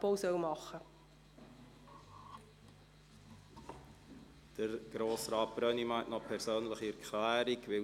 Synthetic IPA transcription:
bowsœwmɑχə | d̥əɾɡ̥ɾoːsrɑːt̚b̥ɾœnimaɪtnɔpʰɛɾsøːnləχiɛɾkʰlæːɾikʋɪ

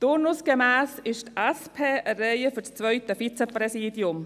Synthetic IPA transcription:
t̪ʊɾnʊsɡ̥emæːsɪʃtɛspʰeːəɾɛɪəfʏɾst͡sʋœʏt̪əfit͡səpɾɛsiːdjʊm

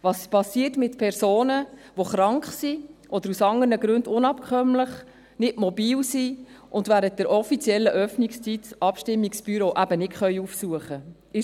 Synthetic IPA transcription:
ʋɑːspɑsiːətmɪtpʰɛɾsoːnəʋoχɾɑŋkχsiʔɔd̥̪əɾusɑŋərnəɡɾʉndʊnɑpkʰχœmləχ | nɪdmɔbiːlsiʔʊndʋæːɾənt̚d̥əɾʔɔfit͡sjɛlːəʔœfnikst͡sitʔɑpʃtɪmːiksb̥yɾoːʔæbənɪtχœʏufsuəχə | ɪ

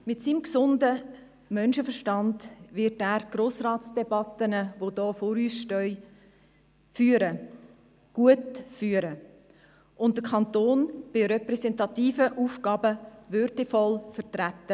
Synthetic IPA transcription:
mɪtsiːmksʊndə | mœnʃəfəɾʃtɑndʋɪtæːɾɡ̥ɾoːsrɑːtsd̥ɛbɑtənəʋodɔːfoːɾyːsʃtœʏ | fyːəɾə | ɡ̥uətfyːəɾə | ʔʊntd̥əkʰɑntoːnb̥ɪɾɛpɾɛsɛntɑtiːfəʔuːfɡɑːbəʋʏɾdɛfɔlfərtɾætːə

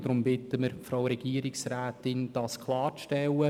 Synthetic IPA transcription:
d̥ɾʊmbɪtəməɾfɾawɾɛɡ̥iəɾɪksræːtɪnd̥ɑskχlˠɑːɾʃtɛlːə

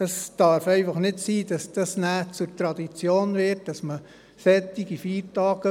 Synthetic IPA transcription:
ɑsd̥ɑːɾfɛɪfɑχnɪtsiːd̥ɑsd̥ɑsnæːt͡sʊɾtɾɑd̪it͡sjoːnʋɪɾt̚d̥ɑsmə | fɛt̪iɡifiːɾtɑːɡ̥ə

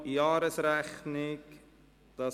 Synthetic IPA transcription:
jɑːɾəsɾæχnɪk | d̪̥ɑ

